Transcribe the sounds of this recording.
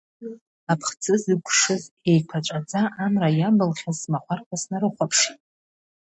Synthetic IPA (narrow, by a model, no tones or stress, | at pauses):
apʰχt͡sʰʼɨzɨɡʷʰʼʂɨze̞jkʷʰat͡ʃʷʼat͡sʼaʔːmrajabɨlχʲazmaχʷarqʷʰasnaɾɨχʷapʰʂ